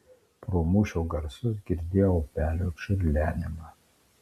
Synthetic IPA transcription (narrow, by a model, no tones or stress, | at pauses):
pɾoːmuːʃʲoːɡɐɾsʊs̬ɡʲɪɾʲd̪ʲeːjopʲæːlʲoːʃʲʊɾʲlʲæːnʲɪmɑː